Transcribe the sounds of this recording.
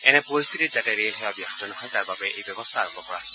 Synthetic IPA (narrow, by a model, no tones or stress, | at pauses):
ɛnɛpɔɹist̪ʰitizatɛɹelɦɛabjaɦd͡ʒɔnɔɦɔjt̪aɹbabɛʔejbjɔbɔst̪ʰaɹɔmbɔkɔɹa̰s